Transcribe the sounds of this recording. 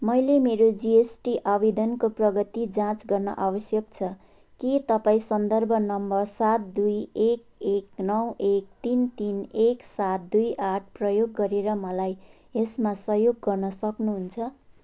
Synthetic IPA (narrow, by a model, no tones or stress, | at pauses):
mʌjlemeɾod͡ziesʈiʔabed̪ʌnkoprʌɡʌt̪id͡zãt͡sɡʌrnʌ̰ʔabʌsjʌkt͡sʰʌ | kit̪ʌpãĩsʌnd̪ʌrbʱʌnʌmbʌrsat̪̚d̪ujek̚eknʌwek̚t̪int̪ineksat̪̚d̪ujʔaʈ̚ʰprʌjoɡːʌɾeɾʌmʌlaj | esmasʌɦjoɡːʌrnʌsʌknuɦunt͡sʰʌ